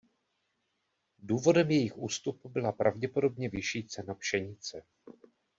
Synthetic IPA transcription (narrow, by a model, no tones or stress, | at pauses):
duːvo̞dɛmjɛjɪxʔuːst̪upubɪlapɾa̰vɟɛpo̞do̞bɲɛvɪʃiːt͡sɛnapʃɛɲɪt͡sɛ